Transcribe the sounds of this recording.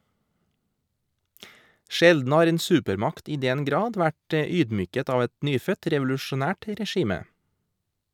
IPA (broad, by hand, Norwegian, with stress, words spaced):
ˈʃɛldn̩ ˈhɑːɾ ˈeːn ˈsʉːpəɾˌmɑkt ˈiː ˈdɛn ˈɡɾɑːd ˈʋæʈ ə ˈyːdˌmyːkət ˈɑːʋ ˈɛt ˈnyːfœt ɾɛʋʊlʉʃʊˈnæːʈ ɾɛˈʃiːmə